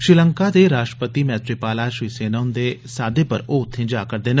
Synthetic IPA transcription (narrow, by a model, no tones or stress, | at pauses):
ʃɾɪləŋkad̪eːɾaːʃʈɾə̥pət̪imɛːt̪ɾepaːlaʃɾiːseːnəʊ̃nd̪eːsaːd̪epə̰ɾoːʊt̪ʰːẽːd͡ʒaːkəɾd̪eːn